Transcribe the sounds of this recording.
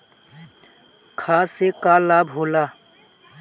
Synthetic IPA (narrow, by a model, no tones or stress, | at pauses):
kʰaːsekaːlaːbɦoːlaː